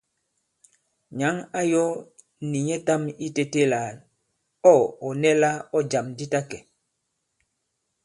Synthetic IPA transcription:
ɲa˨˦ŋa˦jɔ˦ | ni˨ɲɛ˦ta˦mi˦te˦˨te˦la˨ | ɔ˦˨ɔ˨nɛ˦la˦ɔ˦d͡ʒa˨mdi˦ta˦kɛ˨

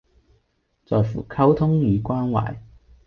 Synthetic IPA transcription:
t͡sɔː˨jfṵː˨˩kʰɐ˥wt̪ʰʊ˥ŋjyː˨˧kwaː˥nwa̰ː˨˩j

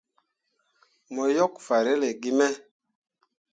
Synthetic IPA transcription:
mɔ˨jɔ˦kfa˨ɾe˦le˨ɡi˦mɛ˦

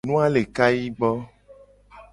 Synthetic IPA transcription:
nũ˦a˦le˨ka˦ji˦ɡ͡bɔ˦

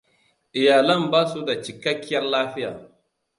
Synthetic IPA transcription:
ʔɪ˨jaː˨lɐ˦˨mbaː˦su˦da˨t͡ʃɪ˨kɐ˦kʲːɪ˦jɐ˦rlaː˦ɸɪ˦jaː˨

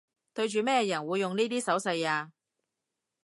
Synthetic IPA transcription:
t̪ɵ˧ɥt͡ʃyː˨mɛː˥a˧jɐ˨˩nwuː˨˧jːʊ˨ŋniː˥t̪iː˥sɐ˨˥wsɐ˧jaː˧

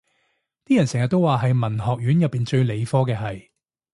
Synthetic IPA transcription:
t̪iː˥jɐ˨˩nsɛː˨˩ŋjɐ˨t̪̚o˥waː˨ɦɐ˨jmɐ˨˩nɦɔː˨k̚jyː˨˥njɐ˨pːiː˨nt͡ʃɵ˧ɥle˨˧jfɔː˥kɛː˧ɦɐ˨j

